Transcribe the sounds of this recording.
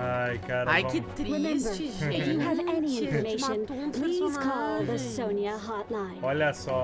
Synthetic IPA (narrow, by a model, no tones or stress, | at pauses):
ajkaɾaɪɪtɹɪmɛ̃mbə˞ɪɨːvɛniɪ̃nfəmeɪʃɨ̃npʰl̥iz̥kʰɔlˠðəsõʊ̃niəɦɑɹtlãɪ̃nɔlɐsɔ